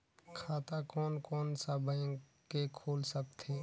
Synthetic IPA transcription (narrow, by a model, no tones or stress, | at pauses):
kʰaːt̪akɔːnkɔːnsabə̃ | kekʰoːlsək̚t̪eː